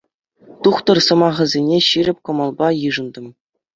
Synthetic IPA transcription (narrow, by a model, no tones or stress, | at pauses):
t̪uχt̪ɤ̆rsɤ̆mɑʁɤ̆zʲenʲeɕiɾʲɘ̆pʲkɤ̆mɑlˠbɑjɯʐɤ̆nd̪ɤ̆m